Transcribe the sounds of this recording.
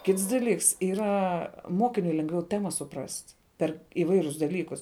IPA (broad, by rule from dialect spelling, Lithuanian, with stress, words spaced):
ˈkʲɪts dɐˈlʲiːks iːˈrɐ ˈmoːkʲɪnʲʊɪ lʲɛŋɡˈʋʲɛʊ ˈtʲæːmɐ sʊˈprɐsʲtʲ pʲɛr ɪˈʋɐɪrʲʊs dɐˈlʲiːkʊs